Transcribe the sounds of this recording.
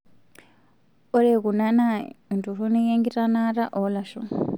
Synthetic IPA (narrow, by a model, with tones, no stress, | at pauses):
o˦ɾe˨ku˨na˦na˦˨ndu˨ru˦ni˦je˦ŋɡi˦ra˦na˦ɾa˦ʔo˨la˨ʃṵ